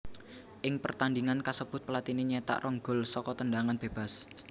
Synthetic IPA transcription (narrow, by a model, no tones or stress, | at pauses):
ʔɪŋpərt̪andiŋankasəb̥ʊ̤t̪̚pəlat̪ineɲɛt̪a̰ʔrʔɔŋɡɔ̤lsɔkɔt̪ənɖaŋanb̥e̤b̥a̤s